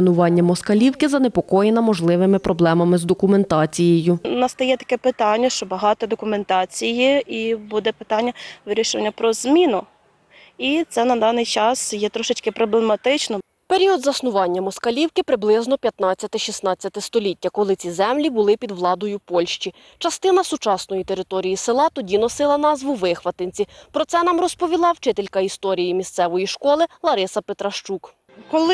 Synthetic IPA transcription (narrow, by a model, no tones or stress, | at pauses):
nʊʋɑnʲːɐmɔskɐlʲiwkɪzɐnepɔkɔjenɐmɔʒlˠɪʋɪmɪpɾʔɔblˠɛmɐmɪzd̪ɔkʊme̞nt̪ɑt͡sʲijejʊnɐst̪ɐjɛt̪ɐ̥kɛpɪt̪ɑnʲːɐʃt͡ʃɔbɐɦɑt̪ɔd̪ɔkʊment̪ɑt͡sʲijiibud̪ɛpɪ̥t̪ɑnʲːɐʋɪɾʲiʃʊʋɐnʲːɐpɾɔzmʲinʊ | it̪sɛnɐd̪ɑnɪjt͡ʃɑsjɛt̪ɾɔʃɪt͡ʃkɪpɾɔblˠemɐt̪ɪt͡ʃnɔ | peɾʲiɔd̪zɐsnʊʋɑnʲːɐmɔskɐlʲiwkɪpɾɪblˠɪznɔpʲjɐt̪nɑt͡sʲːɐt̪ɪʃisnɑt͡sʲːɐt̪ɪst̪ɔlʲitʲːɐkɔlˠɪt͡sʲizɛmlʲibʊlˠɪpʲid̪ʋlˠɑd̪ɔjʊpɔlʲʃt͡ʃi | t͡ʃɐst̪ɪnɐsʊt͡ʃɑsnɔjit̪eɾɪt̪ɔɾʲijisɪlˠɑt̪ɔdʲinɔsɪlˠɐnɑzʋʊʋɪxʋɐt̪enʲt͡sʲipɾɔt̪sɛnɑmrɔspɔʋʲilˠɑwt͡ʃɪt̪elʲkɐist̪ɔɾʲijimʲist̪sɛʋɔjiʃkɔlˠɪlˠɐɾɪsɐpet̪ɾɐʃt͡ʃuk | kɔlˠɪ